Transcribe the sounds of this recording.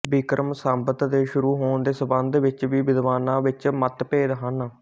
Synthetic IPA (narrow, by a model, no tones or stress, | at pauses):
bɪkɾəmsəmbət̪d̪eːʃʊɾuːɦoːnd̪eːsəbə̃nd̪ʋɪt͡ʃʋiːbɪd̪ʋaːnãːʋɪt͡ʃmət̪peːd̪ɦən